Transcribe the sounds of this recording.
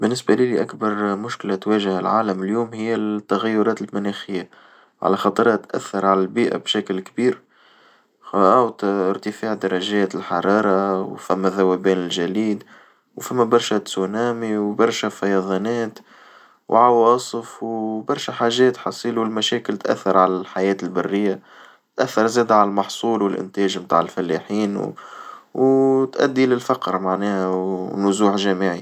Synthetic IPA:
bɪnːɪsbaliliʔakbɑɾˤmʊʃkɪlat̪wæːʒahalʕaːləmɪljuːmhɪjːæt̪ːaɣæjːʊɾɑːt̪ɪlmʊnæxɪjːa | ʕa̰læxɑt̪ˤɾˤɑt̪ʔæ̰θːɑɾˤʕalælbiːʔa̰bʃækɪlkbiːɾ | awt̪ɾt̪əfaːʕd̪ɑɾˤːɑʒɛːt̪ɪlħɑɾˤɑːɾˤɑwfæmːæðawæbɛːnɪlʒæliːd̪ | wfæmːæbɑɾˤʃæsunæːmiwbɑɾˤʃæfɑjɑðˤɑnɛːt̪ | wʕawɑːsˤəfwbɑɾˤʃæħaːʒɛːt̪ħɑsˤiːluwlmæʃɛːkɪlt̪ʔæ̰θːɑɾˤʕalælħajɛːt̪ɪlbɑrːɪjːa | t̪ʔæθːɑɾˤzɛːd̪ʕalælmɑħsˤuːlwɪlʔɪ̰nt̪ɛːʒmt̪a̰ːʕɪlfælːiħiːn | wt̪ʔæ̰d̪ːilɪlfɑqɾmaʕnɛːhænʊzuːħʒæːmiʕi

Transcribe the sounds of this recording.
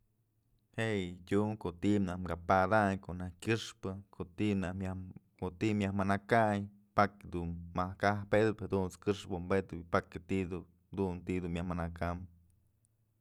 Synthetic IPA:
hejtʲuŋkoʔt̪iʔbnahmkɡapad̪aɲkoʔnahkʲɨʂpɨkʰoʔt̪inahakot̪imjahmanakaɲ | pakd̪uːahkahped̪ɨphad̪unt͡skɨʂbɨmbet̪ɨpakɨt̪iʔd̪u | d̪unt̪id̪umjahmanakam

